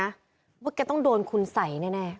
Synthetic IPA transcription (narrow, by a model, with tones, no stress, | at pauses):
a˦˥ | ba˦˥ka˧˩t̪ɔ˥˩ŋdoː˧nkʰu˧nsa˨˩˦jnɛː˥˩nɛː˥˩